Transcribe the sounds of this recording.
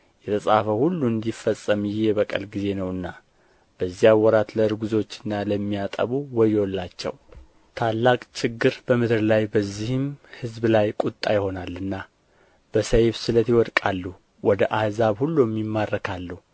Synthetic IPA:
jɛt̪ʰəsʼafəhulːuɨnd̪ifəsʼəmjɪhjɛβəkʼə̰lɡize̞nəwɨnːa | b̥əzːijawːɔɾat̪ləɨɾɡuzo̞t͡ʃːɨnːaləmːijat̪ʼə̰βuwɔjolːat͡ʃːɛ̰w | t̪ʰalːakʼt͡ʃʰɪɡːɨɾbəmɨd̪ɨɾlajbəzːihɨmhɨzblajkʼut̪ʼːajɪho̞nalːɨnːa | b̥əsəjβsɨlət̪iwɔd̪kʼalːu | wɔd̪əʔahzaβhulːumːimːarːəkʰalːuh

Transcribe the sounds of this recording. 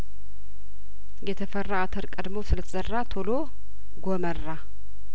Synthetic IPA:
jɛt̪ʰəfərːaat̪ʰəɾkʼəd̪mosɨlət̪ʰəzərːat̪ʰolo | ɡomərːa

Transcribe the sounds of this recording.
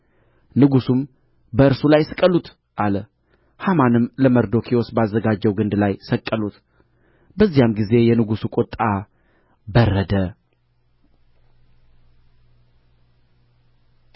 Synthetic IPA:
nɨɡusum | bəɨɾsulajsɨkʼəlut̪ | ʔalə | hamanɨmləməɾd̪o̞kʰio̞sbəazːəɡad͡ʒːəwɡɨnd̪lajsəkʼːəlut̪ | bəzːijamɡize̞jɛnɨɡusukʼot̪ʼːa | bərːəd̪ə

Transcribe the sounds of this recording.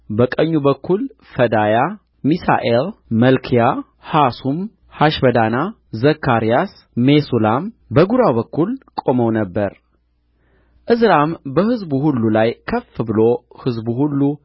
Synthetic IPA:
bəkʼəɲːubəkʰːul | fəd̪aja | misa̰ʔelməlkʰija | hasum | haʃbəd̪ana | zəkːaɾijas | mesulam | bəɡuɾawβəkːulkʼo̞məwnəbːəɾ | ʔɨzɾambəhɨzbuhulːulajkʰəfːɨbɨlo̞hɨzbuhulːu

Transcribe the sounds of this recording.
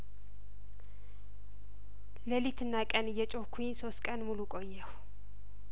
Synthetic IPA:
ləlit̪ʰɨnːakʼənjɛt͡ʃʼohkʷʰuinso̞st̪kʼənmulukʼo̞jːɛw

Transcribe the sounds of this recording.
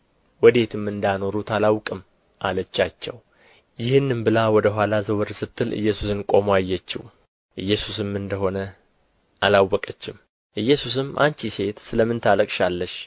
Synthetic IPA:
wɔd̪e̞t̪ʰɨmːɨnd̪ano̞ɾut̪ʰalawkʼɨm | ʔalət͡ʃːat͡ʃːɛw | jɪhɨnːɨmbɨlawɔd̪əɦʷwʷalazəwɨɾsɨt̪ʼːɨlʔɨ̰jːɛsusɨnkʼo̞majːɛt͡ʃːḭw | ʔɨjːɛsusɨmɨnd̪əɦo̞nə | ʔalawːɔkʼət͡ʃːɪm | ʔɨjːɛsus̬ɨmʔa̰nt͡ʃise̞t̪sɨləmːɨnt̪ʰaləkʼʃalːəʃ

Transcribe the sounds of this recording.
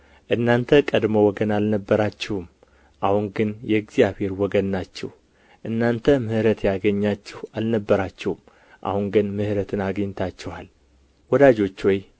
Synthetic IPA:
ʔɨnːant̪ʰəkʼəd̪məwɔɡənalnəbːəɾat͡ʃːɛhum | ʔahunɡɨnjɛɡzijaβhe̞ɾwɔɡənːat͡ʃːɛh | ʔɨnːant̪ʰəmɨhɾət̪jaɡəɲːat͡ʃːɛhalnəbːəɾat͡ʃːɛhm | ʔa̰hunɡɨnmɨhɾət̪ʰɨnaɡəɲːt̪ʰat͡ʃːɛhal | wɔd̪ad͡ʒo̞t͡ʃːwɔj

